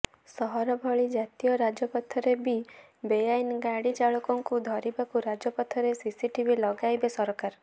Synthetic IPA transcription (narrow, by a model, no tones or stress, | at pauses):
sɔɦɔɾɔbʱɔɭid͡ʒat̪ijɔɾad͡ʒɔpɔt̪ʰɔɾebi | bejajnɡaɽit͡ʃaɭɔkɔŋkud̪ʱɔɾibakuɾad͡ʒɔpɔt̪ʰɔɾesisiʈibilɔɡajbesɔɾɔkaɾ